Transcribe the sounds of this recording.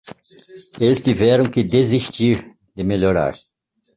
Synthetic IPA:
elɪst̪ivɛɾɐ̃w̃kɪd̪eziʃt̪iɾ | d̪ɪmeʎoɾa̰ɾ

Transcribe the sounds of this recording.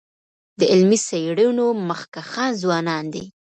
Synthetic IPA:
d̪əʔɪlmisajɽinoməxkaxɑnzwɑnɑnd̪e

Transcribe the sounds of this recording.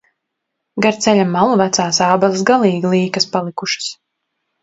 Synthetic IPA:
ɡaɾt̪sɛlʲamːalˠuvæt̪saːsaːbalˠisɡalˠiːɡilˠiːkaspalˠikuʃɨ̥s

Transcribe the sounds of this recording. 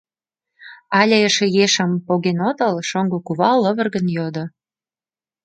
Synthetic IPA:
ɑlʲeəʃejeʃəmpoɣenot̪ə̆lʃoŋɡokuβɑlːə̆βə̆rɣənjod̪o

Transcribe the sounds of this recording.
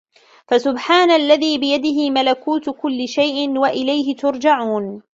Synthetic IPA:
fasʊbħaːnalːaðiːbɪjad̪ɪɦɪmalakuːt̪kʊlːɪʃajʔɪnwaʔɪlajɦɪt̪ʊɾˤd͡ʒaʕuːn

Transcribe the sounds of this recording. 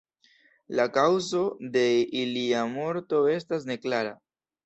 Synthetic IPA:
lakawzo̞d̪e̞iliamo̞ɾto̞e̞stas̬ne̞klaɾa

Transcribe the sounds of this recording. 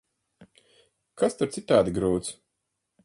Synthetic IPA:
kʰast̪aɾt̪sit̪aːd̪ʲiɡɾuːt̪s

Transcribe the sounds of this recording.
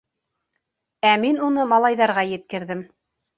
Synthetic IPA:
æminunɤmɑlˠɑjðɑɾʁɑjɘ̆t̪̚kɘ̆ɾðɘm

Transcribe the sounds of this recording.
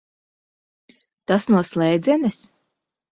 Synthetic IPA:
t̪asnuɔslˠɛjd̪zʲɛnɛs

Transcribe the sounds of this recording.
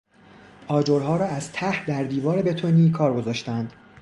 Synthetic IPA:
ʔɒːd͡ʒoɾɦɒːɾɒːæzt̪ʰæhd̪æɾd̪iːvɒːɾebe̞t̪ʰoniːkʰɒːɾɡo̞zɒːʃt̪ænd̪̥

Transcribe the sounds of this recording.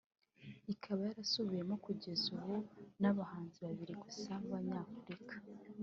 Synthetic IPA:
ikʰaβajaɾasoβuje̞mo̞kuɟe̞zuβunaβahaːnziβaβiɾiɡusauβaɲaːfuɾikḁ

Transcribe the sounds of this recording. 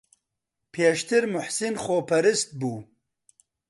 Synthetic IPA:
pʰeːʃt̪ʰɨɾmʊħsɨnxoːpʰɐɾɨst̪̚buː

